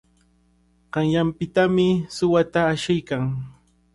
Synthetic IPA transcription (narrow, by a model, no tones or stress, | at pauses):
ɢ̥ɑŋjampɪt̪amɪsʊwat̪aːʃɪjkaŋ